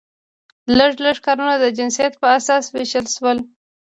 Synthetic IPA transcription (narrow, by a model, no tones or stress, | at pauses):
ləʐləʐkɑɾunad̪əd͡ʒɪnsijat̪̚pəasɑsweʃəlʃwəl